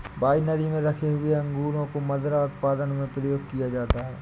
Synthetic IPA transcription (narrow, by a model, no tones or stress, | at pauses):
baːinəɾimẽɾɐkʰeɦʊeɐ̃ŋɡuːɾõkomɐd̪ɾaʊt̪paːd̪ənmẽpɾɐjoːɡ̚kijad͡ʒaːt̪aɦɛː